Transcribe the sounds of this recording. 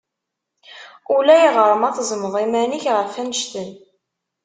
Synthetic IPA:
ulæjiʁəɾˤəmɑθzˤməðˤimæniçʁəfænəʃt̪ən

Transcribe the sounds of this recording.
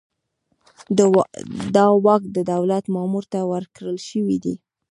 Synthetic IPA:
d̪ɑwɑkd̪əd̪awlat̪mɑmuɾt̪awəɾkɽəlʃəwid̪i

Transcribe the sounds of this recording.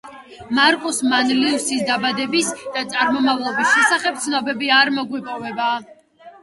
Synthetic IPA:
maɾkʼusmanliusisd̪abad̪ɛbisd̪̥at̪sʼaɾmɔmavlˠɔbisʃɛsaχɛp̚t̪sʰnɔbɛbiaɾmɔɡwipʼɔvɛba

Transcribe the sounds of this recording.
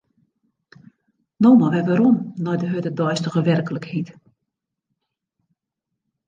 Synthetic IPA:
nowmaʋɛʋaɾɔmnɔjdəɦøtədɔjstəɣəʋɛrkələkhit

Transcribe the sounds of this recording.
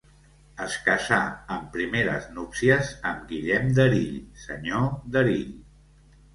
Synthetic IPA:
əskəsaəmpɾimeɾə̰znupsiəzəmɡiʎɛmd̪əɾiʎsə̰ɲoðəɾiʎ

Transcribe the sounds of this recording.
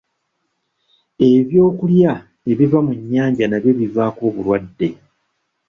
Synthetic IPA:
e̞βjo̞ːkulja | e̞βivamuɲːaːɲɟanaβje̞βivaːko̞ːβulwadːe̞

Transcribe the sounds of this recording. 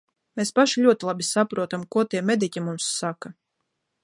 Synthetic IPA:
meːspaʃilʲuɔt̪ilˠabʲisapɾuɔt̪amkuɔt̪iɛmʲed̪icʲimumsːaka

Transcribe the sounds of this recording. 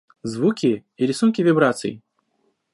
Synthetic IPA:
zvukʲiiɾʲisunkʲivʲibɾat̪sɨ̰jḭ

